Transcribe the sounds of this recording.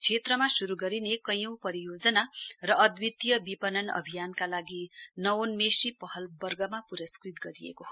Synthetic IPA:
t͡sʰet̪rʌmasuɾuɡʌɾinekʌjʌw̃pʌɾijod͡zʌnarʌʌd̪wit̪jʌbipʌnʌnʌ̰bʱijankalaɡinʌwonmesipʌɦʌlbʌrɡʌmapuɾʌskrit̪ɡʌɾijḛko

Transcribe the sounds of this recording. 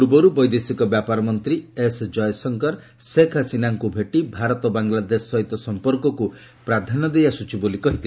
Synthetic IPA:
uɾbɔɾubɔjd̪esikɔbjapaɾɔmɔnt̪ɾiesd͡ʒɔjɔsɔŋkɔɾ | sekʰasinaŋkubʱeʈibʱaɾɔt̪ɔbaŋlad̪esːɔɦit̪ɔsɔmpɔɾkɔku | pɾad̪ʱanɔd̪ejasut͡ʃʰibolikɔɦit̪i

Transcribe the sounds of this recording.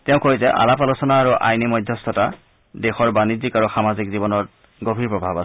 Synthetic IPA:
tɛʊ̃kozɛʔa̰lapalusɔnaːɹuʔa̰jnimɔjdʱjɔst̪ʰɔta | dexɔɹbanizikaɹuxamazikzibɔnɔt̚ | ɡobʱiɹpɹɔbʱabas

